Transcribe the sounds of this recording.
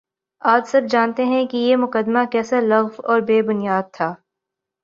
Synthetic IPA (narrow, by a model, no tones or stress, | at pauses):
aːd͡ʒsɐb̚d͡ʒaːnt̪eɦɛ̃kijemʊkəd̪makɛːsalɐɣfɔːɾbeːbʊnijaːd̪̚t̪ʰaː